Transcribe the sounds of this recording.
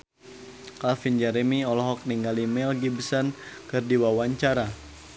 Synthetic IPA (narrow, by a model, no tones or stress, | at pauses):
kalfind͡ʒaɾemiɔlɔɦɔk̚niŋɡalimɛlɡibsənkɨrdiwawaɲt͡ʃaɾa